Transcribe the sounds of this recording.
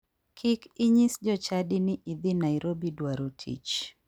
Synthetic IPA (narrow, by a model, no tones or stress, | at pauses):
kʰikiɲisd͡ʒɔt͡ʃaɗiniʔiðinaiɾʔɔbidwaɾutʰḭt͡ʃ